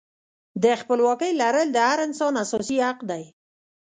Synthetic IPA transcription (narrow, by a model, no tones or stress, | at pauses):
d̪əxpəlwɑkəjlaɾəld̪əhaɾɪnsɑnasɔsihaqd̪aj